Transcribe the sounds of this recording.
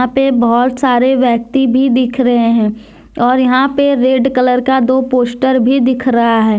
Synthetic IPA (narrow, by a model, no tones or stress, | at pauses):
ãpebɐɦʊt̪saːɾeʋjɛːk̚t̪ibʱid̪ɪkʰɾɐɦẽɦɛ̃ː | ɔːɾjɐɦãpeɾeːɖkələɾkad̪oːpoːsʈəɾbʱid̪ɪkʰɾɐɦaɦɛː